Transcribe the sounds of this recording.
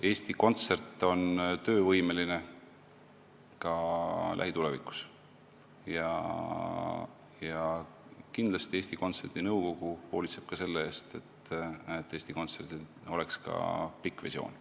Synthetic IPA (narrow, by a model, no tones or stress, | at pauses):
e̞ːst̪iko̞nt̪se̞rt̪ːˑo̞nt̪ø̞ːvɤjmeline̞ | kɑlæ̰ɦit̪ule̞vikˑu̥s | jɑ̰ | jɑ | kind̪lɑst̪ieːsʲt̪iko̞nt̪se̞rd̪̥inɤwko̞ɡ̥uho̞ːlʲit̪se̞b̥̚kɑse̞lːeeːst̪e̞t̪et̪ːˑe̞ːst̪iko̞nt̪se̞rd̪̥i | o̞le̞kskɑ̰pikːvesio̞̰ːn